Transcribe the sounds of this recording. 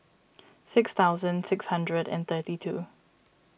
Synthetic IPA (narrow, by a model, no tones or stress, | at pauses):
sɪksθaʊzə̃ndsɪkshʌ̃ndɹədɨ̰̃nθɜtitʰṵː